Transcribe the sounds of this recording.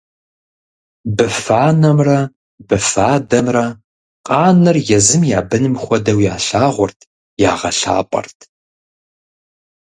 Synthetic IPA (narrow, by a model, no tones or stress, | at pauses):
bɨfaːnɐmrɐ | b̥ɨfaːdɐmrɐ | qʼɑːnɨrjɛzɨmjaːbɨnɨmxʷɔdɐwjaːɬaːʁʷɔrtʰ | jaːʁɐɬa̰ːpʼɐ̰rtʰ